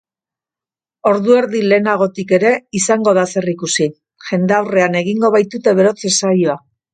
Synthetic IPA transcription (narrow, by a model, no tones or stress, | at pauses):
o̞ɾðue̞ɾðile̞ːnaɣ̞o̞t̪ike̞ɾe̞isaŋɡo̞ð̞ase̞rikusi | ʝe̞nd̪eawre̞ane̞ɣ̞iŋɡo̞βajt̪ut̪e̞β̞e̞ɾo̞t͡se̞sajoa